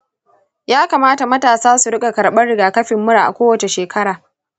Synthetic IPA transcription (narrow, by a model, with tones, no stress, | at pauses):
jaː˦kaː˨maː˦ta˨mɐ˦taː˨saː˦su˨ɽɪ˦kʼa˨kɐ˨ɽɓɐ˦rɽɪ˨ɡaː˨kɐ˦ɸɪ˨mːʊ˦ɽaː˨ʔa˨kʷoː˦wɐ˨t͡ʃe˨ʃeː˨kʰɐ˦ɽaː˨